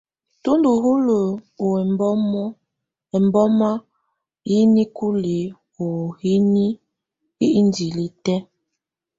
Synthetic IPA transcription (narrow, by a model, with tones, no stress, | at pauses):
tu˦ndu˨ɦu˦lə˨o˨ɛ˨mbɔ˦m˦ | ɛ˨mbɔ˦ma˦ | ji˦ni˦ku˦li˨ | u˨hi˦ni˦ | i˦i˦n˦di˨li˨tɛ˦